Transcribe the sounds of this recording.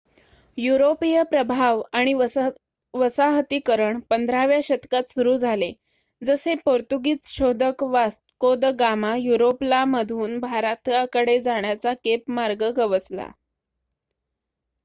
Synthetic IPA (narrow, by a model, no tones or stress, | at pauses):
juɾopijəpɾəbʱaʋaɽ̃i | ʋəsaɦət̪ikəɾəɳpənd̪ʱɾaʋjaɕət̪kat̪suɾuːd͡zʱale | d͡zəsepoɾt̪uɡiːt͡sɕod̪ʱəkʋa | kod̪əɡamajuɾoplaməd̪ʱuːnbʱaɾat̪akəɽed͡zaɳ̃jat͡sakepmaɾɡəɡəʋət͡sla̰